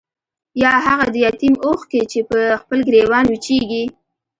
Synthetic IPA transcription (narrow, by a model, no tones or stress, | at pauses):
jɑɦaɣad̪əjɑt̪imoxket͡ʃepəxpəlɡɾewɑnwit͡ʃeɡi